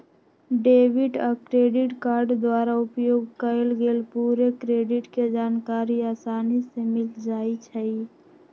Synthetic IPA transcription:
ɖeːwɪʈɔkɾeːɖɪʈkaːɾɖd̪waːɾaʊpjoːɡkəelɡeːlpuːɾekɾeːɖɪʈked͡ʒaːnkaːɾiaːsaːnisemɪld͡ʒaːit͡ʃʰɛi

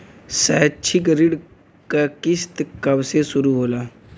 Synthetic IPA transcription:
sɛːt͡ʃʰiɡəɾiɖ | kakɪst̪kɐbsesʊɾuɦoːlaː

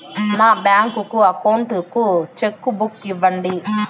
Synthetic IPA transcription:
naːbjaːŋkukuɐkɐwɳʈukut͡ʃekːubukːiʋːɐɳɖi

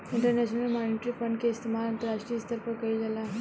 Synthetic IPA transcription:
iɳʈəɾneɕnɐlmaːniʈɾifɐɳɖkeɪst̪ʰimaːlɐnt̪ɐɾaːʂʈɾijɐst̪ɐɾpɐkɐid͡ʒala

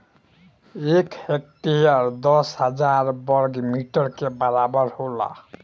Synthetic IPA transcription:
ekhek̚tiɦaɹd̪ɔshazaɹbɔɹɡmiʈɔɹkebaɹabɔɹhola̰

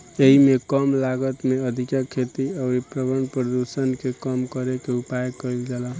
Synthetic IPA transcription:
eɦimekʌmlaɡət̪meəd̪ʱikakʰet̪iəɾipɾəbənpɾəd̪usənkekʌmkʌɾekeupajkʌild͡ʒala

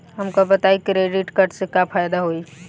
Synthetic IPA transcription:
ɦɐmkobət̪aikɾeːɖɪʈkəʈsekapʰaːjd̪aɦoi

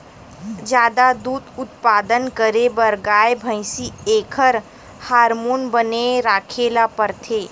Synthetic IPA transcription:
d͡ʒjaːd̪ad̪uːd̪ʊt̪paːd̪ənkəɾebəɾɡaːebʱə̃ɪsieːkʰəɾ | haːɾmoːnbəneɾaːkʰeːlapəɾt̪ʰeː

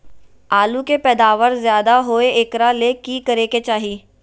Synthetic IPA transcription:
aːlũkepɛːd̪aːʋəɾzjaːd̪aɦoːeɪkɾalekikəɾeːket͡ʃaːɦiː

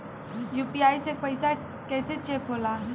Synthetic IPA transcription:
juːpiaːisepəɪsa | kɛːset͡ʃeːkɦoːlaː

